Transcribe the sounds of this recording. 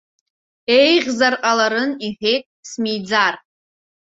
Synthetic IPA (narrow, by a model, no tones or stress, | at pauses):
e̞jʁʲzarqʼalaɾɨniħʲe̞jtʼsmijd͡zar